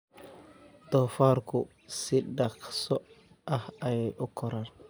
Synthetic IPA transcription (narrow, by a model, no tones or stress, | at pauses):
d̪̥ɔːfaːrkʰʊ | sɪɖɑqsɔ | ʔɐhɐjɛjʔʊkʰɔɾaːn